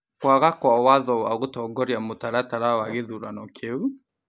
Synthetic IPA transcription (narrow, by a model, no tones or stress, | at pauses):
kwaɣakwawaðɔwaɣotɔːɡɔɾjamotaɾataɾawaɣeðuɾanɔkʰeu